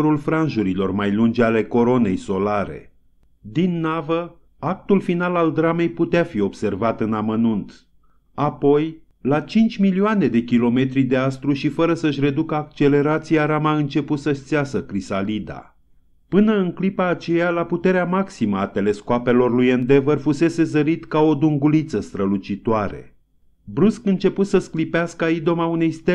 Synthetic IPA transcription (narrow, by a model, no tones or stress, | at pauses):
ɾulfɾanʒuɾilo̞rmajlund͡ʒale̞ko̞ɾo̞ne̞jso̞laɾe̞̰ | d̪inːavə | ak̚t̪ulfinalald̪ɾame̞jput̪eafio̞bse̞rvat̪ɨnamənunt̪ | apo̞j | lat͡ʃint͡ʃʲmilioane̞d̪e̞kʲilo̞me̞t̪ɾid̪e̞ast̪ɾuʃifəɾəsəʃ̬ʲre̞d̪ukəak̚t͡ʃe̞le̞ɾat̪siaɾamaɨnt͡ʃe̞put̪səst̪seasəkɾisalid̪a̰ | pɨnəɨŋklipaːt͡ʃe̞jalaput̪e̞ɾeamaksiməat̪e̞le̞skoape̞lo̞rlujend̪e̞vərfuse̞se̞zəɾit̪kao̞d̪uŋɡulit̪səst̪ɾəlut͡ʃit̪oaɾe̞̰ | bɾuskɨnt͡ʃe̞put̪səsklipeaskəaid̪o̞maune̞jst̪e